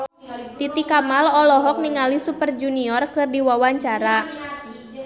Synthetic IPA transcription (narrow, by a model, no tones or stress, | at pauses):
t̪it̪ikamalɔlɔɦɔk̚niŋalisupərd͡ʒuniɔrkɨrdiwawaɲt͡ʃaɾa